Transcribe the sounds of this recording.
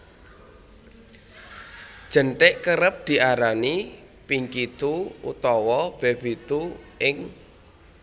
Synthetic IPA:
d̥ʒ̥ə̤ɳʈɪʔkəɾəp̚d̪̥i̤ʔaɾani | piŋkit̪uṵt̪ɔwɔb̥eb̥it̪uʔɪŋ

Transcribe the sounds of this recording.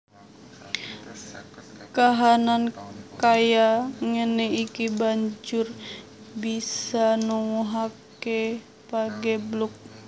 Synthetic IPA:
kaɦanankajaŋənɛikibaɲd͡ʒur | bisanuŋuɦakɛ | paɡɛbluk̚

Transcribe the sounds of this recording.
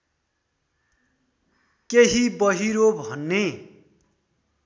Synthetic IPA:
keɦibʌɦiɾobʱʌnːe

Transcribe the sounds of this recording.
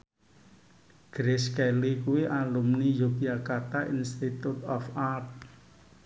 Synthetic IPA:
ɡ̥ɾeskɛlikuwiʔalumnijokiakat̪aʔinst̪it̪ut̪ɔfat̚

